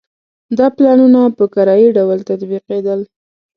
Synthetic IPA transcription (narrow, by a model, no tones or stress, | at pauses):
d̪ɑplɑnunapəkaɾɑiɖawəlt̪at̪biqed̪əl